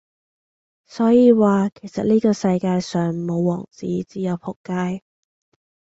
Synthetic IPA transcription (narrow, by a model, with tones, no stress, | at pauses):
sɔː˨˥jiː˧waː˨kʰe˨˩jsɐ˨t̚liː˥kɔː˧sɐ˧jkaː˧jsœː˨ŋmo˨˧wːɔ̰ː˨˩ŋt͡siː˨˥t͡siː˨˥jɐ˨˧wpʰʊ˨˩kːaː˧j